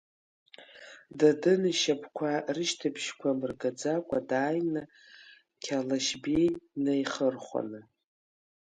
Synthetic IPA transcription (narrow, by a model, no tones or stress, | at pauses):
dadɨnɨʃapʰkʷʰarɨʃtʰapʰʃkʷʰamɨrɡad͡zakʷʼadaːjnɨ | kʲʰalaʃbejnajχərχʷa̰nɨ